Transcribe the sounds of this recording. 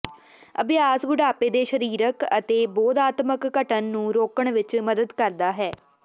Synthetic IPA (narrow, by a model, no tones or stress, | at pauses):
əbɪjaːsbʊɖaːpeːd̪eːʃəɾiːɾəkət̪eːbɔːd̪aːt̪məkːəʈənːũːɾoːkəɳʋɪt͡ʃməd̪əd̪kəɾd̪aːɦɛː